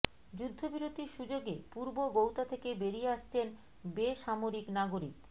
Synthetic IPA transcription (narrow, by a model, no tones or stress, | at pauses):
d͡ʑud̪ʱːobiɾot̪iɾʃud͡ʑoɡepuɾboɡowt̪at̪ʰekebeɾijeaʃt͡ɕʰen | beʃamoɾiknaɡoɾik